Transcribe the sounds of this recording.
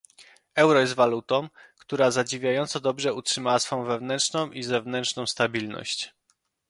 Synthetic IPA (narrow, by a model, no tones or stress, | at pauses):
ɛwɾɔjɛs̬t̪valut̪ɔ̃m̃kt̪uɾazad͡ʑivʲjajɔnt̪sɔd̪ɔbʐɛutʂɘmawasfɔ̃w̃vɛvnɛntʂnɔ̃w̃ʔizɛvnɛntʂnɔ̃w̃st̪abʲilnɔ̰ɕt͡ɕ